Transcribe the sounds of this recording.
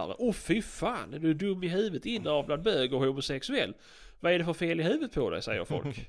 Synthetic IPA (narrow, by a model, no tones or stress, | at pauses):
ɾə̰ʔɔfɪfaːnɛd̪ɵɖɵmːɪɦʉ̟ːvət̪ɪnːəɑvbland̪bøːɡɔhʊmʊsɛksʉɛlː | vaæɖɛfœɾfeːlɪɦʉ̟ːvət̪̚pʰɔd̪ɛ̰jsɛ̰jːə̰ɾfɔ̰lk